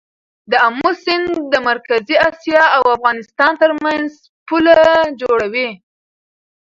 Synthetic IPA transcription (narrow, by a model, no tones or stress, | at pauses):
d̪əamːusɪnd̪əmaɾkaziɑsjɑawafɣɑnɪst̪ɑnt̪əɾmanz | pulad͡ʒoɽawi